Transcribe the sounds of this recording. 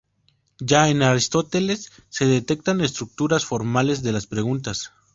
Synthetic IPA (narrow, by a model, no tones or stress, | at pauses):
d͡ʒaenaɾist̪o̞t̪e̞lesːe̞ðe̞t̪e̞k̚t̪ane̞st̪ɾuk̚t̪uɾasfo̞ɾmale̞zðe̞laspɾe̞ɣunt̪as